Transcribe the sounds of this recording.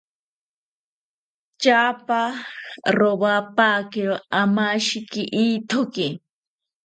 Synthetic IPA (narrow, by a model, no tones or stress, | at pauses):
t͡ʃaːpa | ɾobapaːkɪɾamaʃɪkɪʔit̪ʰokɪ